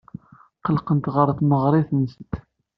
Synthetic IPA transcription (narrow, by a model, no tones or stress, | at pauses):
qəlqənt̪ʁəɾˤθməʁɾˤɪθnəst̪